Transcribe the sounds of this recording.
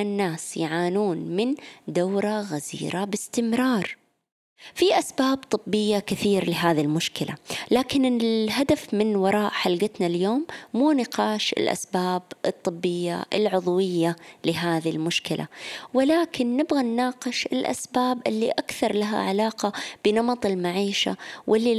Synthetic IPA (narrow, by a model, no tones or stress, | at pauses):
anːaːsjʕaːnuːnmɪnd̪awɾˤaɣazḭːɾabɪst̪ɪmɾˤɑːɾˤ | fiʔasbaːbt̪ˤɨbːɪjːakɪθiːɾlɪɦaːðilmʊʃkɪlʔa̰laːkɪnɪɦad̪afmɪnwɑɾˤɑːʔħalɡɪt̪naljoːmːuːnɪqɑːʃɪ̰lʔa̰sbaːbʔɨt̪ˤːɨbːɪjːa̰ʔɪ̰lʕʊðˤwɪjːalɪɦaːðilmʊʃkɪlʔa̰wɪlaːkɪnːɪbɣanːaːqɪʃɪlʔa̰sbaːbʔɪlːiʔakθɑɾˤlaɦa̰ʕalaːqɑb̥ɪnɑmɑt̪ˤɪlmaʕiːʃa̰wʔɪlːi